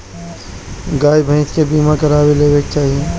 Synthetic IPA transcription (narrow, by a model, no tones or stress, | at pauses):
ɡaːjbʱə̃ɪ̃skebiːmakɐɾaːweleːʋek̚t͡ʃaːɦie